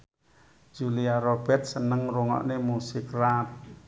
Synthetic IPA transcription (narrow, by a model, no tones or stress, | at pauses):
d͡ʒ̥uliaɾob̥ɛrt̪̚sənəŋruŋɔ̰ʔnemusɪkrat̪̚